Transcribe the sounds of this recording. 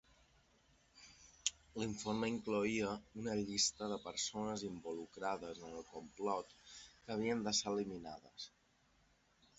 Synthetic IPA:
liɱforməiŋkluiəunəʎist̪əðəpəɾsonəzimbulukɾaðəzənəlˠkumplɔt̪kəβ̞iənd̪əselimina̰ðə̰s

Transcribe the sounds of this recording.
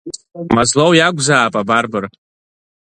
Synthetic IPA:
mazlowjaɡʷzaːpʼabarbɨr

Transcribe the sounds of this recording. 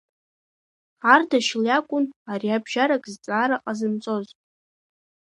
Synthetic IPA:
ardaʃljakʷʼʊnariabʒaɾakʼzt͡sʼaːɾaqʼazɨmt͡sʼo̞z

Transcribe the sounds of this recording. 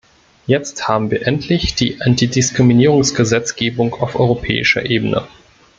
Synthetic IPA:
jɛt͡sthaːbm̩viːɐʔɛntʰlɪçd̥ḭːʔantidɪskʁ̥iminiːʁʊŋsɡ̥əzɛt͡sɡ̥eːbʊŋkaʊfʔɔʏʁopʰɛ̰ːɪʃɐ̰ʔeːbənə̰

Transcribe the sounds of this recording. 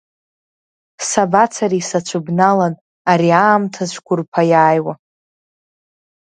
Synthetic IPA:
sabat͡sʰaɾisat͡ʃʷʰɨbnalan | aɾiaːmtʰazʷʰkʷʊrpʰajaːjwa

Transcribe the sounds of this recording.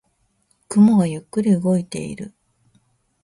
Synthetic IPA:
kɯmoɡajɯkːɯɾʲiɯɡo̞it̪e̞̰ḭɾɯ̟

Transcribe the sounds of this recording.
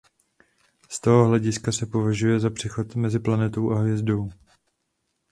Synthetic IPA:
st̪oɦo̞ɦlɛɟɪskasɛpo̞vaʒujɛzapr̝̥ɛxo̞t̪mɛzɪplanɛt̪o̞wʔaɦvjɛzdo̞w

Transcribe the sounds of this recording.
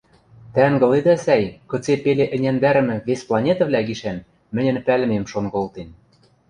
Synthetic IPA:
t̪æŋɡɤ̆led̪æsæjkɤ̆t͡sepeleʔɘ̆nʲænd̪æɾɘ̆mɘ̆βesplˠɑnʲet̪ɤ̆vlʲæɡiʃæn | mɘ̆nʲɘ̆npælmemʃonɡolˠt̪en

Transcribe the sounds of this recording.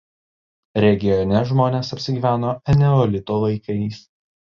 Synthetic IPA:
ɾʲɛɡʲɪjɔnʲɛʒmoːnʲeːsɐpʲsʲɪɡʲiːʋʲæːnoːɛnʲɛɔlʲɪt̪oːlˠɐɪkɐɪs

